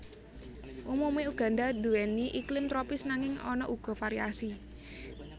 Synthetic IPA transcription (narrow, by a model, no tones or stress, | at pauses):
ʔumumeuɡ̥a̤ndad̪̥uɛniʔiklɪmt̪ɾɔpɪsnaŋɪŋɔ̰nɔ̰ʔuɡ̥ɔ̤faɾiasi